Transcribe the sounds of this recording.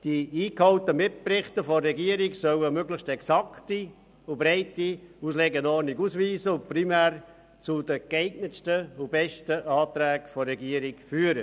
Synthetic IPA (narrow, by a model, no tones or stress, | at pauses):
d̥iiːkhawtəmɪt̚prɪχtəfɔrːɛɡiəɾiksœwəmøɡlɪʃtɛksɑkti | ʊbɾɛɪtiusleɡənɔrniɡuːsviːsəʊprimæːr | t͡sʊdəkɛɪɡnəstəʊbɛʃtəʔɑːtɾɛːkfɔrːɛɡiəɾikfyːɾə